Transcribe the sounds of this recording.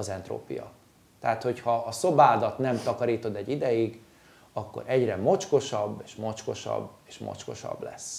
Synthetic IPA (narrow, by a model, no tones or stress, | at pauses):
ɒzɛnt̪ro̰ːpḭjɒ̰ | t̪ɛaːt̪ho̞chɒːso̞baːd̪ɒt̪nɛmt̪ɒkɒɾiːt̪o̞d̪ɛɟːid̪ɛjiɡ | ɒkːoɾʔɛɟrɛmo̞t͡ʃko̞ʃɒbːeːʃmo̞t͡ʃko̞ʃɒ̰bːeːʃmo̰t͡ʃko̞̰ʃɒ̰blɛs